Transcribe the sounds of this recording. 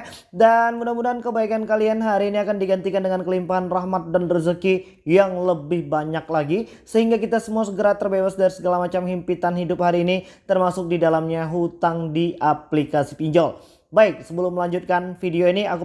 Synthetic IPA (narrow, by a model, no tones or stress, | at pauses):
danmudamudankəbaikankalianɦaɾiːniakandiɡant̪ikandəŋankəlimpaɦanraɦmat̪̚danrəzəki | jaŋləbɪhbaɲak̚laɡi | səhiŋɡakit̪asəmuasəɡəɾat̪ərbebasdaɾisəɡalamat͡ʃamhimpit̪anhidʊp̚haɾiːnit̪ərmasʊk̚didalamɲaɦut̪aŋdiʔaplikasipiɲd͡ʒɔl | baɪk̚səbəlʊmːəlaɲd͡ʒut̪̚kanfidioiniak